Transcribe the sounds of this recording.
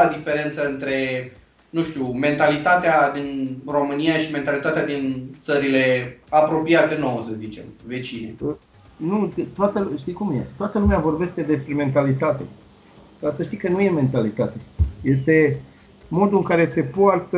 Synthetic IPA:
ad̪ife̞ɾe̞nt̪səɨnt̪ɾe̞ | nũʃt̪iume̞nt̪alit̪at̪ead̪inro̞mɨnijaʃime̞nt̪alit̪at̪ead̪int̪səɾile̞apɾo̞piat̪enowəsəzit͡ʃe̞mve̞t͡ʃinḛ | nut̪oat̪əʃt̪ijkumjḛt̪oat̪əlumeavo̞rbe̞st̪e̞d̪e̞spɾe̞me̞nt̪alit̪at̪e̞̰ | kasəʃt̪ikənuje̞me̞nt̪alit̪at̪eje̞st̪e̞ | mo̞d̪uɨŋkaɾe̞se̞poart̪ə

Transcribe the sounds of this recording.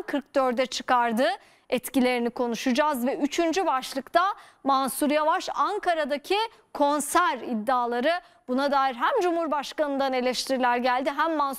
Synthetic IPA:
kʰɯɾk̚d̪ø̞ɾd̪ɛt͡ʃʰɯ̥kaɾd̪ɯ | ɛt̪cilʲe̞ɾinikʰo̞nuʃud͡ʒazvɛyt͡ʃʰynd͡ʒybaʃlˠɯkt̪ʰamansuɾjavaʃaŋkʰaɾad̪acʰi | kʰo̞nsæɾid̪ːaːlˠaɾɯ | b̥unad̪aːjiɾɦæmd͡ʒumhuɾbaʃkanɯnd̪ane̞lʲɛʃt̪ʰiɾilʲæɾɟælʲd̪iɦæmːans

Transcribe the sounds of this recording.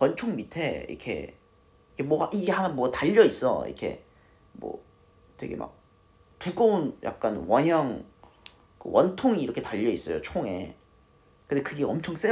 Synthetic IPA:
ʌnt͡ɕʰoŋmitʰe̞ḭkʰe̞̰ | ikʰemwʌɡaʔiɡe̞hanamwʌɡataʎːʌis͈ʌ̰ḭkʰe̞̰ | mwʌ̰ | t͈we̞̰ɡe̞̰mʔa̰k̚ | tuɡ͈ounjʔa̰k̚k͈anwʌnɲjʌŋ | kɯ̰wʌntʰoŋiːɾʌkʰe̞taʎːʌis͈ʌjo̰t͡ɕʰoŋe̞̰ | kɯnde̞kɯɡe̞ʌmt͡ɕʰʌŋs͈e

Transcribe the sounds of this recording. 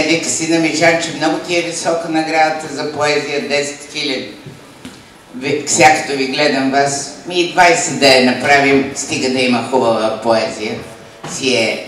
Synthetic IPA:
ɛd̪iksinɐmiʒat͡ʃɛmnɔɡʊt̪ʲiɛvisɔkənɐɡɾad̪ət̪əzɐpoɛzijəd̪ɛsɛ̥t̪xilʲəd̪i | vifsʲako̥t̪oviɡlɛd̪ɐmvasmid̪vajsɛd̪ɐɛnɐpɾavimst̪iɡəd̪ɐimɐxubəvəpoɛzijə | siɛ

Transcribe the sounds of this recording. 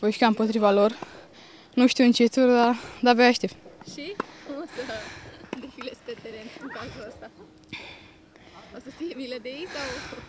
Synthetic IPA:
pojʃkaɨmpot̪ɾivalor | nuʃt̪iwɨnt͡ʃet̪surd̪ad̪aveaʃt̪efʃiosə | d̪efilespet̪eɾenɨŋkazuəst̪a | osəsijemiləd̪ejejsaw

